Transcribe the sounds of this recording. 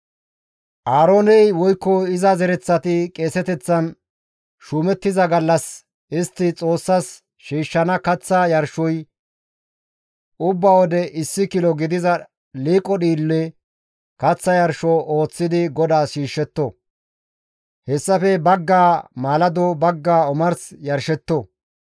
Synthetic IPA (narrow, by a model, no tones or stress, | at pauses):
ʔaːɾoːnɛjwɔjkːɔɪzɐzɛɾɛt͡sːɐt̪ɪkʼe̞ːsɛt̪ɛt͡sːɐn | ʃuːmɛt̪ːɪzɐɡɐlːɐs | ʔɪst̪ːɪt͡sʼo̞ːsːɐs | ʃiːʃːɐnɐkɐt͡sːajɐɾʃɔj | ʊbːawɔd̪ɛʔɪsːɪkɪlɔɡɪd̪ɪzɐ | liːkʼɔɗiːlːɛ | kɐt͡sːɐjɐɾʃɔʔo̞ːt͡sːɪd̪ɪɡɔd̪aːʃiːʃːɛt̪ːɔ | hɛsːɐfɛbɐɡːaːmaːlɐd̪obɐɡːaːɔmɐɾsjɐɾʃɛt̪ːɔ